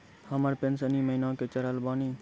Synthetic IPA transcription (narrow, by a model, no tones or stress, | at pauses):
həməɾpensəniːməɦinãːket͡ʃɐɾalbaːniː